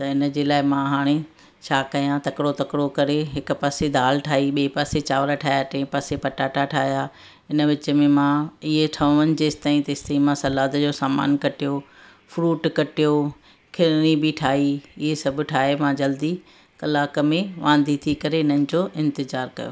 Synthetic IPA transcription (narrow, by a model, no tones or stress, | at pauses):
t̪ɐɪnə̆d͡ʑeːlaːɪmãɦaːɽ̃e | t͡ɕʰaːkɐjãt̪ɐkɽot̪ɐkɽokɐɾeɦɪkʊ̆paːsed̪aːlʈʰaːɦiɓeːpaːset͡ɕaːʋɾəʈʰaːjaʈʰpɐsepɐʈaʈʰaʈʰaːɦija | ɪnə̆ʋɪt͡ɕəmẽmãɪɦeʈʰɐʋə̃ʋənɪ̆d͡ʑeːst̪aːĩt̪ɐɪst̪ɐːĩmãsɐlaːd̪d͡ʑoːsaːma̰ːnkɐʈijo | fɾuːʈkɐʈijo | kʰɪɾnibʱɪʈʰaːɦiɪɦesɐbʱʊ̆ʈʰaːɦemãd͡ʑɐld̪i | kɐlaːkmẽʋʔãːnd̪ʱit̪ʰikɐɾeɪnənɪ̆d͡ʑoːʔɪ̃nt̪ɪzaːɾkɐ̰jo̰ː